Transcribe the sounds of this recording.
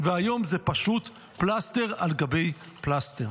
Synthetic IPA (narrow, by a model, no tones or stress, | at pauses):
veajo̞mzepaʃut | plaste̞ʁalɡabe̞j | plast̪eʁ